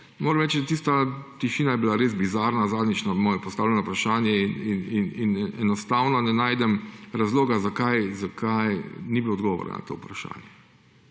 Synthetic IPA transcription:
moːɾɐmɾɛt͡ʃd̪at̪ist̪at̪iʃiːnajɛbilaɾeːzbizaːɾnazaːd̪nit͡ʃnamɔːjɛpɔst̪aːwlɛnɔupɾaʃaːnjɛininininɛnɔst̪awnɔnɛnaːjd̪ɛmɾazloːɡazakajzakʰajnibiloːd̪ɡɔʋɔ̰ɾa̰na̰t̪o̰ːupɾaʃa̰ːnjɛ

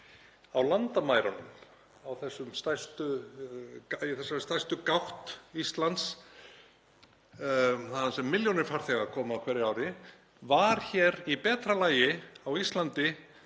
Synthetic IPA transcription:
awlant̪amaːjɾa̰nʏm | awθɛsːʏmst̪ajst̪ʏ | kθɛsːast̪ajst̪ʏkawht̪ist̪lant̪s | θanasɛmːɪljɔnɪɾ̥faɾ̥θɛɣakʰɔːmaːwkʰvɛːɾɪɾaːwɾɪ | vaɾ̥çɛɾipɛːt̪ɾalaːjɪawist̪lant̪ɪ

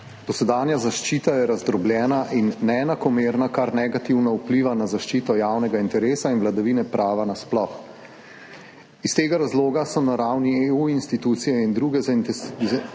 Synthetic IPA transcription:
d̪̥ɔsɛd̪aːnjazaʃt͡ʃit̪ajɛɾazd̪ɾɔbljɛːnaʔinːɛːnakɔmeːɾnakaɾnɛɡat̪iwnaupliːʋanazaʃt͡ʃiːt̪ɔjaːwnɛɡaint̪ɛɾeːsainʋlad̪aʋinɛpɾʔaːʋanasplɔx | ist̪eːɡaɾazloːɡasɔnaɾaːwnieuinst̪it̪ut̪sijɛind̪ɾuːɡɛ

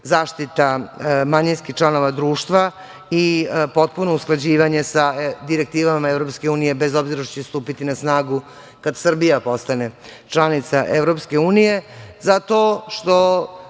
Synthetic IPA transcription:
zaːʃt̪it̪amaɲinskixt͡ʃlˠano̞ʋad̪ɾuːʃt̪ʋa | ipo̞t̪̚punousklˠad͡ʑiːʋaɲe̞sad̪iɾek̚t̪iːʋamaevɾo̞pske̞uːnije̞bezo̞bziɾaʃtot͡ɕest̪uːpit̪inasnaːɡu | kad̪sr̩bijapo̞st̪ane̞t͡ʃlˠanit̪saʔevɾo̞pske̞uːnije̞zat̪o̞ʃt̪o̞

